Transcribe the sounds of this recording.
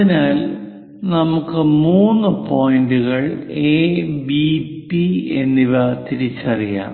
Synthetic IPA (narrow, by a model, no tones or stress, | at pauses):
ɐinaːl | nɐmukːɨmuːnːɨpo̞ːjinduɣɐɭeːbipienːiʋɐt̪iɾit͡ɕːɐrija̰ːm